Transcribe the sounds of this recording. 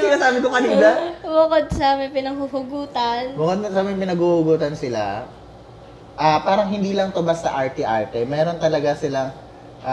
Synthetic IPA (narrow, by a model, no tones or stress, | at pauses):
kɪnasaːbɪd̪oŋkɐniːd̪abʊkod̪̚sɐmɐjpɪnɐŋhʊhʊɡuːt̪ɐnbʊkod̪̚sɐmɐjpɪnɐɡuhʊɡuːt̪ɐnsɪla̰ | ʔapaːɾɐŋɦɪnd̪iːlɐŋt̪ʊmbɐsːɐʔaɹt̪ɪʔa̰ɹt̪ɛmɛːɾo̞nt̪ɐlɐɡasɪlɐŋ | ʔ